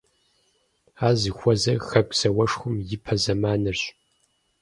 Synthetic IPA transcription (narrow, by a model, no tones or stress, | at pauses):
aːzɨxʷɔzɐxɐɡʷʼsɐwɐʂxʷʊmjɪpʰɐzɐmaːnɨrɕ